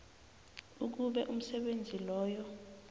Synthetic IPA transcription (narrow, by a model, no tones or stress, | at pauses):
uk̬uɓɛʔum̩sɛɓend͡zʱilɔːjɔ